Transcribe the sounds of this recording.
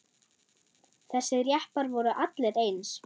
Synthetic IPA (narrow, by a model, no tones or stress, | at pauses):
θɛsːɪðɾjahpaɾvɔɾʏʔat̪lɛɾeːjns